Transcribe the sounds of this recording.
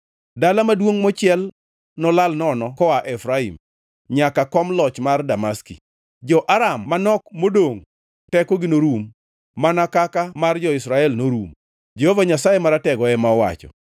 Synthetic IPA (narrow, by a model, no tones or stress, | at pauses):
dalamadwoŋmɔt͡ʃɪɛl | nɔlalnɔnɔkɔaʔɛfɾaḭm | ɲakakɔmlɔt͡ʃmardamaskḭ | d͡ʒɔʔaɾamːanɔkmodoŋ | tɛkɔɡɪnoɾumː | anakakamard͡ʒɔɪsɾaɛlnoɾum | d͡ʒɛhovaɲasajemaɾatɛɡɔɛmaɔwa̰t͡ʃɔ̰